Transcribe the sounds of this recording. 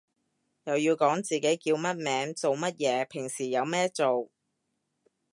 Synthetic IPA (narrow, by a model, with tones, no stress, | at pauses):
jɐ˨wjiː˧wkɔː˨˥ŋt͡siː˨ke˨˥jkiː˧wmɐ˥t̚mɛː˨˥ŋt͡so˨wmɐ˥t̚jɛː˨˧pʰɪ˨˩ŋsiː˨˩jɐ˨˧wmɛː˥t͡so˨w